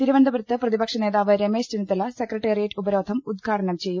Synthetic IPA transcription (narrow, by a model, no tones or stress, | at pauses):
t̪iɾuʋɐnd̪ɐbɐɾɐt̪ːɨprɐðibɐkʂɐne̞ːðaːʋɨɾeme̞ːstinit̪ːɐlɐsekrɐʈːeːrijɐʈːubɐɾoːd̪ʱɐmud̪̚ɡʰʱaːʈʰɐnɐmt͡ɕe̞jːu